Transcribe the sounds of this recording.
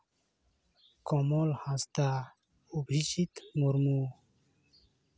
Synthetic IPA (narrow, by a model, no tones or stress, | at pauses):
kɔmolhãst̪a | ubʱit͡ɕit̪muɾmuː